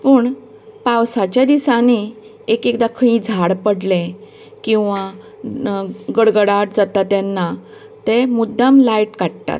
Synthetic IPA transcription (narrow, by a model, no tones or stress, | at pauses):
pəːɳ | pawsat͡ɕjad̪isani | ekekd̪akʰəĩd͡zʱaɽpəɽlẽ | kĩw̃ʋa | ɡəɽɡəɽaʈ̚d͡zat̪at̪janːa | t̪emud̪ːamlaiʈkaʈ̚t̪a̰t̪̚